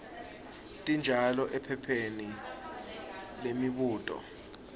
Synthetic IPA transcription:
tʼind͡ʒʱalɔʔɛpʰɛpʰeni | lemiɓuːtʼɔ̰

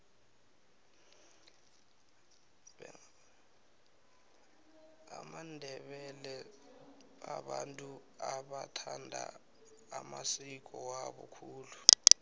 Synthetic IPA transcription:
amandʱɛɓɛlɛ | aɓantʼu | aɓatʰandʱa̰ː | masik̬ɔwaɓɔkʰuːlu

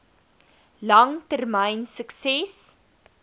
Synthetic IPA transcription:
lɐŋtərməjnsəksɛs

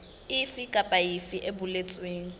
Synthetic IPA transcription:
ɪfikʼapʼaifiʔebʊlet͡sʼweːŋ̩

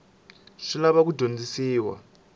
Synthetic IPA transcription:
ʂilaβak̬udʱond͡zisiːwa̰

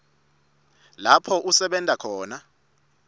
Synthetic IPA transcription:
lapʰɔʔusɛɓɛntʼakʰɔːna

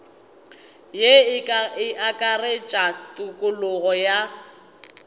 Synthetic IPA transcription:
jeɪʔakʼaret͡ʃʼatʼʊkʼʊlʊɣɔja

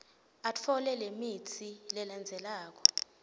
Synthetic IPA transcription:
at͡fʰɔlɛlemitʰilɛland͡zʱɛlaːk̬ɔ̥

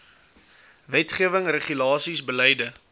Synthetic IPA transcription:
vɛtχiəvəŋrəχylɑːsisbəlɛjdə

